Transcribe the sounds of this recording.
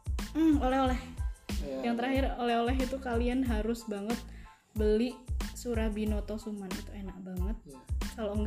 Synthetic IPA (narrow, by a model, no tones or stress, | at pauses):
m̩olɛholɛh | jaŋt̪̬əɾaɦɪrolɛholɛɦit̪ukalianɦaɾʊsbaŋət̪̚ | bəliʔsuɾabinɔt̪ɔsumanit̪uenak̚baŋət̪̚kaloŋ